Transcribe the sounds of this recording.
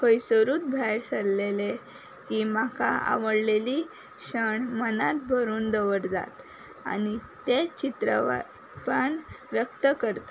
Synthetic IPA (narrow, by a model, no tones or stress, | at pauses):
kəjsəɾuːt̪̚bʱajɾsəllele | kiːmakʰaa̰ʋəɽleliː | ɕəɳmənat̪̚bʱəɾuːnd̪əʋəɾd͡za̰t̪ | a̰nit̪et͡ɕit̪ɾə̰ʋa̰ | pəɳʋjək̚t̪əkəɾt̪a